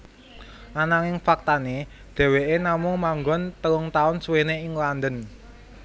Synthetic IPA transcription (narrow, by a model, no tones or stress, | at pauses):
ʔanaŋɪŋfak̚t̪ane | d̪̥e̤weʔenamʊŋmaŋɡɔnt̪əlʊŋt̪aʊnsweneɪŋland̪ən